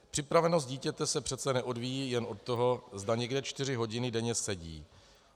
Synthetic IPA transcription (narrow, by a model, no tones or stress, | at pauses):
pr̝̥ɪpɾavɛno̞s̬t̪̚ɟiːcɛt̪ɛsɛpr̥ɛt̪t͡sɛnɛʔo̞dvijiːjɛno̞t̪̚t̪ːoɦo̞zdaɲɛɡdɛt͡ʃt̪ɪr̝ɪɦo̞ɟɪnɪdɛɲɛsɛɟḭː